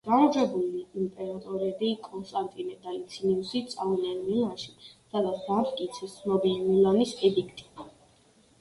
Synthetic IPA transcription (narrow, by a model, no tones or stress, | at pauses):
ɡ̥aɾd͡ʒɛbuliːmpʼɛɾat̪ʼɔɾɛbikʼɔnst̪ʼant̪ʼinɛd̪alit̪sʰiniusit̪sʼavinɛlmilanʃisad̪at̪sʰd̪amt̪kʼit̪sʰɛsnɔbilimilanisɛd̪ikʰt̪ʼi̥